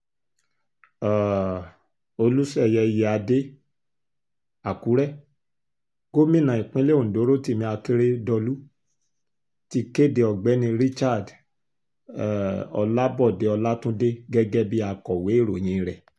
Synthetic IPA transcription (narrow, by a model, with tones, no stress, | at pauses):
a˨ | o˧lu˦sɛ˦˨jɛ˧˨je˨a˧de˦ | a˨ku˨˦ɾɛ˦ | ɡo˦mĩ˦˨nã˨ĩ˨k͡pĩ˦le˦õ˨do˨˦ɾo˦˨ti˦˨mĩ˧a˧ke˦ɾe˦dɔ˧lu˦ | ti˦ke˦˨de˧ɔ˨ɡ͡bɛ˨˦nĩ˧ɾi˦t͡ʃa˦˨d | ɔ̰˧la˦bɔ˦˨de˨˦ɔ˧la˦tũ˦de˦ɡɛ˦ɡɛ˦bi˦a˧˨kɔ˨we˨˦˨ɾo˨j̃ĩ˧ɾɛ˨